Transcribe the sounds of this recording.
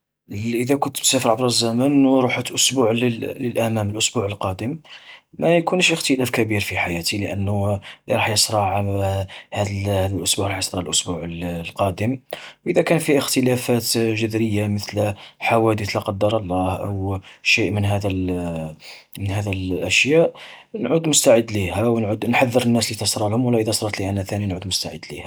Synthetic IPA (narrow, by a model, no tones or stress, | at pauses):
ʔəd̪ækʊnt̪ːbsæfəɾʕəbɾˤɑzːæmənwɾˤuħət̪ʔʊsbuʕlələlʔæmæməlʔʊsbuʕəlqɑd̪əmːæjkunəʃəxt̪əlæfkæbiɾfiħajæt̪iləʔənːuliɾˤɑħjəsˤɾˤɑʕ | hæd̪hæd̪əlʔʊsbuʕɾˤɑħjəsˤɾˤɑʕəlʔʊsbuʕəllqɑd̪əmwʔəd̪ækænfiəxt̪əlæfæt̪ʒʊd̪ɾəjːaməθlħawæd̪ət̪ləqɑd̪ːɑɾˤɑlˤːɑhʔə̰wʃiʔmənɦæd̪əl | mənhæd̪əlʔæʃjæʔnʕud̪mʊst̪aʕəd̪ːlihæwnʕud̪nħaðːəɾənːæslit̪əsɾˤɑlhʊmwəlːæʔəd̪æsˤɾˤɑt̪liʔænæt̪æninʕud̪mʊst̪aʕəd̪ːlihæ